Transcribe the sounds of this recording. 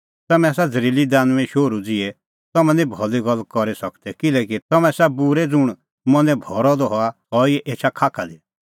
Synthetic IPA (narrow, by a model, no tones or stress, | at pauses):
t̪ɐmɛ̃sad͡zəɾiːlid̪aːnʋɛ̃ʃoːɾud͡zɪɛ | t̪ɐmɛ̃nĩbʱɔliɡɔlːkɔɾesɐkd̪ɛkɪlɛːk̬it̪ɐmɛ̃sɛbuɾɛd͡zʊɽ̃ | mɔ̃nɛ̃bʱɔːɾɔd̪ɔɦɔa | ɔiɛʔeːt͡ʃʰakʰaːkʰad̪i